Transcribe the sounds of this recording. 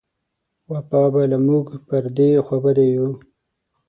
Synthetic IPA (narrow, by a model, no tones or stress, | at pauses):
wapɑbalamuɡpəɾd̪exabad̪eju